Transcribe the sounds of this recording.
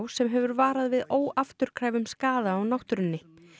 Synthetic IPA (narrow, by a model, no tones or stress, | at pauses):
wsɛmɦɛvʏɾvaːɾaðvɪðoːwaft̪ʏɾ̥kʰɾaːjvʏmskaːðaːwnawht̪ʏɾʏnːɪ